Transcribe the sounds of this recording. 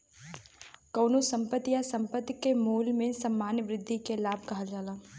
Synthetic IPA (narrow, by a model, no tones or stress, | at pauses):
kɐːnusɐ̃mpət̪jasɐ̃mpət̪kemuːlmẽsɐmːaːnjəʋɾɪd̪ʱːikelaːb̚kɐɦəld͡ʒaːlaː